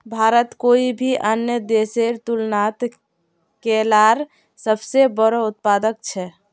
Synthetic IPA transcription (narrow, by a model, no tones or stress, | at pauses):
bʱaɾət̪koibʱiʔənjəd̪eseɾt̪ulnat̪ | kelaɾ | səbsebəɾɔut̪̚pad̪ək̚t͡ʃʰɛ